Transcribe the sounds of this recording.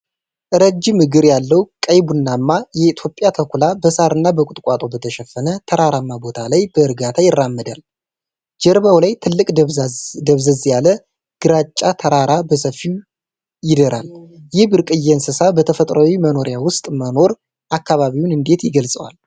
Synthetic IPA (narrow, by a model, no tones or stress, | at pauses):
ʔɨɾəd͡ʒːɪmɨɡɨɾjalːəwkʼəjbuɨnːamːajɛit̪ʰjo̞pʼjat̪ʰəkʷulabəsaɾɨnːabəkʷʼʊt̪ʼkʼat̪ʼo̞bət̪ʰəʃɛfːənət̪ʰəɾaɾamːabo̞t̪ʰalajbəɨɾɡat̪ʰajɪrːamːəd̪al | d͡ʒəɾβawlajt̪ʰɨlːɨkʼd̪əβzəzjalə | ɡ̥ɨɾat͡ʃʼːat̪ʰəɾaɾabəsəfːiw | jɪd̪əɾʔaljɪhbɨɾkʼɨjːɛnsɨsabət̪ʰəfət̪ʼɾəwiməno̞ɾjawʊst̪ʼməno̞ɾ | ʔakːaβaβiwunɨnd̪e̞t̪jɪɡəlsʼəwa̰l